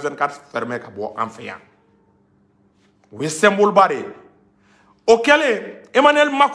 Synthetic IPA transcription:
zɛ̃nkatfɛɾmɛkabɔʔã̰ɱfɛ̰jã̰ | wjesɛ̃mbolbaɾe | okɛleemanɛlmak

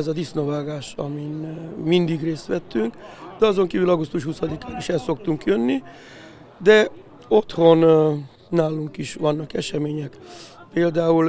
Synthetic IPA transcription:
ɛzɒd̪isnovaːɡaːʃɒ̰minmind̪iɡreːst̪ʋɛt̪ːyŋkd̪̥ɛɒzo̞ŋkiːvylɒɡust̪uʃhusɒd̪ikaːniʃɛlso̞k̚t̪uŋkjønːi | d̪ɛ | o̞t̪ho̞nː | aːluŋkiʃʋɒnːɒkɛʃɛmeːɲɛkpeːld̪aːul

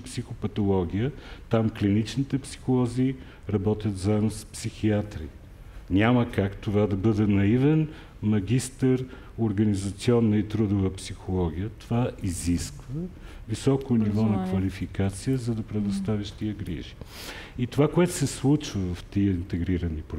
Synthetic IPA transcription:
psixʊpɐt̪olˠɔɡʲijət̪amklinit͡ʃnit̪ɛpsi̥xolˠɔziː | ɾɐbɔt̪ʲjət̪zamspsixiat̪ɾḭ | nʲaməkakt̪ovad̪ɐbɤd̪ɛnɐivɛn | mɐɡʲist̪əɾ | oɾɡɐnizɐt̪siɔnːəit̪ɾud̪ʊvəpsixolˠɔɡʲijət̪ovaiziskvə | visɔkʊnivɔnɐkvɐlifikat̪sijəzɐd̪ɐpɾɛd̪ost̪aviʃt̪iəɡɾḭʒi | it̪ovakoɛt̪ʊsɛslˠut͡ʃvəvɐft̪iəint̪ɛɡɾiɾɐnip

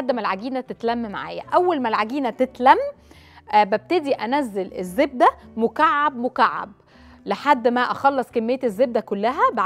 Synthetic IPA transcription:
ad̪ːmælʕaɡiːnæt̪et̪læmːmaʕa̰ːjæ̰ʔæwːælmælʕaɡiːnæt̪et̪læmː | bæb̚t̪ed̪iʔænæzːelḛzːeb̚d̪æmokaʕːab̚mokaʕːa̰b̚ | leħad̪ːmæʔæxɑlːesˤkemːejːet̪ezːeb̚d̪ækolːæɦæbʕ

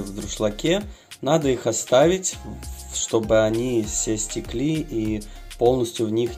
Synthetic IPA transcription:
vd̪ɾʊʂlˠɐkʲe | nad̪əixɐst̪avʲɪtʲ | ʂt̪o̞bɨɐnʲifsʲesʲtʲɪklʲiʔi | po̞lˠnəsʲtʲjʊvnʲix

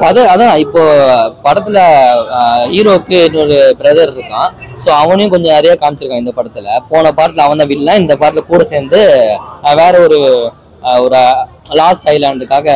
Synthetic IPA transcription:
ɐðɯɐðãːɪpːoːpɐɽɐt̪ːɪlɐ | iːɾoːkːɯɛnːɔɾɯbɪɾɐðɐɾɪɾɯkːãːsoːɐʋɐɳɐjʊ̃kɔɲd͡ʒɐ̃nɛɾɪjaːkaːmɪt͡ʃːɪɾɯkːãɪnd̪ɐpɐɽɐt̪ːɪlɐpoːnɐpaːɾʈ̪lɐɐʋɐnd̪ãːʋɪlːãːɪnd̪ɐpaːɾt̪ɪlɐkuːɽɐseːɾnd̪ɯ | ʋeːɾɐɔɾɯ | ɔɾɯlaːsʈɐɪlanɐðɯkːaːɣɐ

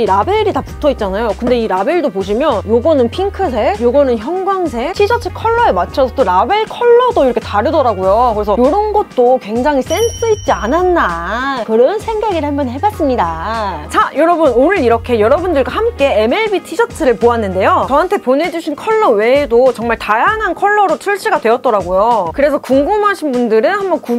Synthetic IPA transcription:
iɾabe̞ɾitapu̥tʰʌit̚t͡ɕ͈anajokɯnde̞iɾabe̞ɭdopoɕ̬ʰimjʌnjoɡʌnɯnpʰiŋkʰɯs̬ʰe̞joɡʌnɯnçjʌnɡwaŋs̬ʰe̞tʰid͡ʑʌtʰɯɭkʰʌɭːʌemat͡ɕʰʌsʰʌtoɾabe̞ɭkʰʌɭːʌdoiɾʌkʰe̞taɾɯdʌɾaɡojokɯɾe̞sʰʌjoɾʌnɡʌt̚t͈okwe̞ŋd͡ʑaŋɦis͈ens͈ɯit̚t͡ɕ͈iananːakɯɾʌnsʰe̞ŋɡaɡiɾɦambʌnhebas͈ɯmɲidat͡ɕajʌɾʌbɯnonɯɾiɾʌkʰe̞jʌɾʌbundɯɭɡwahamk͈e̞eme̞ɭbitʰid͡ʑʌtʰɯɾɯɭpoanːɯnde̞jot͡ɕʌɦantʰe̞pone̞d͡ʑuɕʰinkʰʌɭːʌwe̞ːdot͡ɕʌŋmaɭtajaŋɦankʰʌɭːʌɾotʰuɭt͡ɕ͈ʰiɡadwe̞ʌt̚t͈ʌɾaɡojokɯɾe̞sʰʌkuŋɡɯmɦaɕʰinbundɯɾɯnhambʌnku

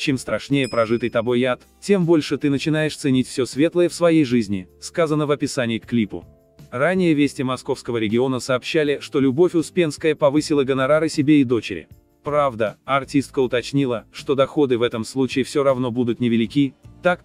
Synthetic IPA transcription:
t͡ɕemst̪ɾɐʂnʲejəpɾɐʐɨt̪ɨjt̪ɐbo̞jat̪ | tʲe̞mbo̞lʲʂɨt̪ɨnət͡ɕɪnajɪʂt̪sɨnʲitʲfsʲosvʲe̞t̪lˠəjəfsvɐjejʐɨzʲnʲɪskazənəvɐpʲɪsanʲɪːkklʲipʊ̰ | ranʲːɪjəvʲesʲtʲɪmɐsko̞fskəvəɾʲɪɡʲɪo̞nəsɐːpɕːalʲɪʂt̪o̞lʲʊbo̞fʲʊspʲe̞nskəjəpɐvɨsʲɪlˠəɡənɐɾaɾɨsʲɪbʲeɪd̪o̞t͡ɕɪ̰ɾʲɪ̰ | pɾavd̪əɐrtʲist̪̚kəʊt̪ɐt͡ɕnʲilˠəʂt̪o̞d̪ɐxo̞d̪ɨvɛt̪əmslˠut͡ɕɪɪfsʲoɾɐvno̞bud̪ʊt̪nʲɪvʲɪlʲɪkʲit̪ak

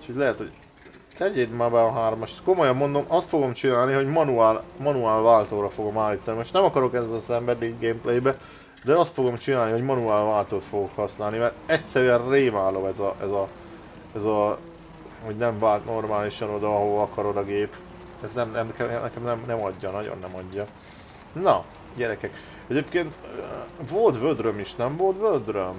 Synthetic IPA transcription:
ucʰoɟlɛɦɛt̪ho̞ɟ | lɛɟeːd̪maːbɛɒɦaːrmɒʃt̪ko̞mo̞jɒmːo̞nd̪o̞mʔɒst̪fo̞ɡo̞mt͡ʃinaːlniɦo̞ɟmɒnuaːlmɒnuaːlvaːlt̪oːɾɒfo̞ɡo̞maːlːiːt̪ɒnimoʃt̪nɛmɒkɒɾo̞kɛɛsɛmbɛd̪iɡɡeːmplejbɛ | d̪ɛɒst̪fo̞ɡo̞mt͡ʃinaːlniɦo̞ɟmɒnuaːlvaːlt̪oːt̪fo̞ɡokhɒsnaːlnimɛrɛcsɛɾyɛnreːvaːlo̞bɛzɒʔɛzɒ | ɛzɒ | ho̞ɟnɛɱvaːlt̪no̞rmaːliʃɒno̞d̪ɒɒɦovɒɒkɒɾod̪ɒɡeːp | ɛznɛmnɛmɛkɛnɛkɛmnɛmnɛmɒɟːɒnɒɟo̰nːɛmɒɟːɒ | nɒ | ɟɛɾɛkɛk | ɛɟeːpkeːnt̪øvolt̪vød̪ɾømeʃnɛɱvo̞lt̪vøld̪røm

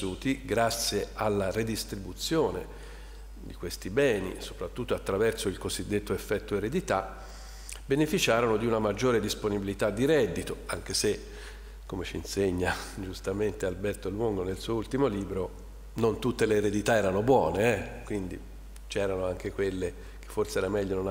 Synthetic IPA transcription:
uːt̪iɡɾat̪sːjealːared̪ist̪ɾibut̪sjoːnḛ | d̪ikwest̪ibɛːnḭso̥pɾat̪ːut̪ːoat̪ːɾavɛrsoilkozid̪ːet̪ːoefːɛt̪ːoeɾed̪it̪a | benefit͡ʃaːɾonod̪iunamad͡ʒːoːɾed̪isponibilit̪ad̪ːiɾɛd̪ːit̪oaŋk̟ese | kːomet͡ʃinseɲːad͡ʒust̪ament̪ealbɛrt̪olwoŋɡonelsuːoult̪imoliːbɾo | nont̪ut̪ːeleːɾed̪it̪aɛːɾanobwɔːneɛkwind̪i | t͡ʃɛːɾanoaŋk̟ekwelːe | k̟e̥fːorseɛɾamɛʎːonon

